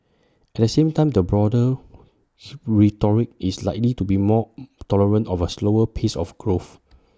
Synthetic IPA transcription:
ɛt̚dəsẽmtãɪj̃mdəbɹɔdə | ɹitɔɹik̚islaɪk̚litubimɔtɔləɹə̃ntɔfəsloəpʰesɔ̰fɡ̥ɹof

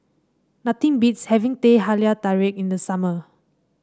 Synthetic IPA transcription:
nat̪ĩŋbitshɛvĩŋteɦaliataɹek̚ĩndəsamə

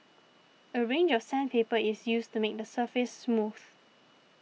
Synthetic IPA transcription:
əɹẽnd͡ʒɔfsɛ̃npʰepəɪsjustumek̚dəsəfɪsːmuθ

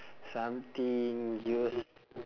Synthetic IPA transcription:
samt̪iŋus

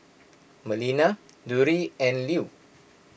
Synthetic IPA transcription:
məlina | duɾiɛ̃nliu

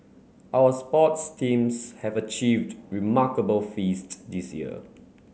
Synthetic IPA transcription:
ʔawəspɔtstʰĩmshɛvət͡ʃivdɹimakəbəlfistdisjḭə̰

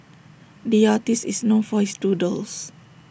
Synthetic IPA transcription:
diatisisnõnfɔistudəls

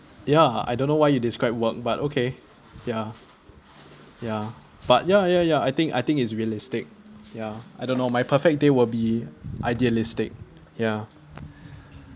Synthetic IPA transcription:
jaa̰jdõnːowajjudɪskɹaɪp̚wək̚batokʰe | ja | ja | b̥at̚jajajaajt̪ɪ̃ŋka̰jt̪ɪ̃ŋkɪts̬ɹiəlɪstɪk̚jaʔajdõnːomajpʰəfɛk̚dewɪlbiʔaɪdiəlɪstɪ̰k̚ | ja

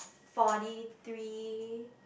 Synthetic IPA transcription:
fɔɾiθɹiː

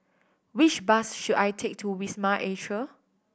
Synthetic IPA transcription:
wit͡ʃbasʃudajtʰek̚tʰuwismaʔeʃə

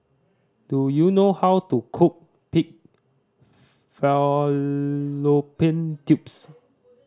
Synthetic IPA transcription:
d̥ujunohawtukʰuk̚ | pik̚ | fɛ | lopĩntjups

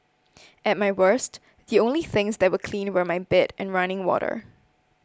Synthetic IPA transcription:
ɨt̚maɪwɜ˞st | ðiõʊ̃nliθɪ̃ŋzðɨt̚wəkʰl̥ĩnwə˞maɪbɪɾʔɨ̃nɹʌ̃ñɪ̃ŋwɔ̰ɾə̰˞

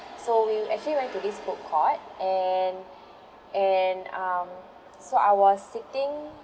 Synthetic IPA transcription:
sowiɛk̚t͡ʃəliwɛ̃ntudisbokʰːɔt̚ʔɛn | ɛnam | soaɪwɔsːitĩŋ

